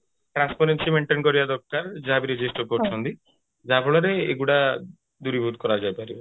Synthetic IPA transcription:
ʈɾanspaɾensimeɳʈenkɔɾibad̪ɔɾkaɾd͡ʒaabiɾed͡ʒisʈɔɾkoɾt͡ʃʰɔnt̪i | d͡ʒapʰɔɭɔɾeḛɡuɽa | d̪uɾibʱut̪̚kɔɾad͡ʒajpaɾibɔ

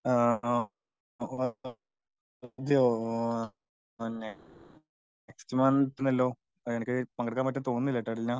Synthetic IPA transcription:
a | d̪jo | ne | ekstimaːnʈːinːɐlːoː | enikʲːɐpɐŋɡɐɽɐkːaːmɐtːɐmt̪o̞ːnːilːɐʈːaːɽilɲã

